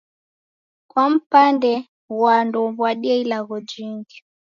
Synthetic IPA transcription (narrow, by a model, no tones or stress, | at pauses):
kwam̩pandɛ | wandɔβwaɗiɛilaɣɔd͡ʒiŋɡi